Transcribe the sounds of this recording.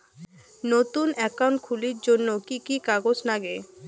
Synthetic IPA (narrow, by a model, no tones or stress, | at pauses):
not̪unɛkawɳʈ̚kʰuliɾd͡ʑonːokikikaɡod͡ʑnaɡe